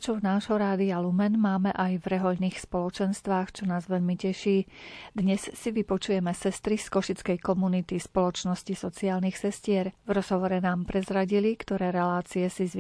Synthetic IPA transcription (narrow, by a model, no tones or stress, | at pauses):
t͡ʃɔvnaːʒɦɔɾaːd̪ialumɛnmaːmɛʔajvɾɛɦɔʎniːxspɔlɔt͡ʃɛnst̪ʋaːxt͡ʃɔnaːzʋɛʎmicɛʃiːd̪ɲɛssiʋipɔt͡ʃujɛmɛsɛst̪ɾiskɔʃit͡skɛjkɔmunit̪ispɔlɔt͡ʃnɔscisɔt͡siaːlnixsɛscɪɛɾvɾɔz̥ɦɔʋɔɾɛnaːmpɾɛzɾaɟilikt̪ɔɾɛːɾɛlaːt͡siɛsiz